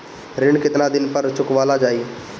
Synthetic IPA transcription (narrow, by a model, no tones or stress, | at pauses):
ɾɪɳkɪt̪ɾad̪ɪnpəɾt͡ʃʊkʋaːlad͡ʒaːiː